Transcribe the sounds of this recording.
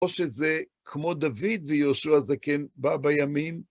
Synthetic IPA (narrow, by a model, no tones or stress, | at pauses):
oʃeze | kʰmo̞d̪avid̪vejoʃuazakenbabajamim